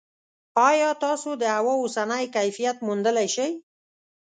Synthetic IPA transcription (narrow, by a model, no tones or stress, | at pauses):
ɑjɑt̪ɑsod̪əhawɑosanəjkajfijat̪mund̪əlajʃaj